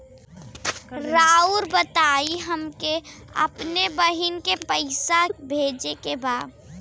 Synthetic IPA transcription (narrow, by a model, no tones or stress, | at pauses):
ɾaːuɾbət̪aːiɦəmkeɐ̰pnebəɦinkepəɪsabʱeːd͡ʒekebaːd̪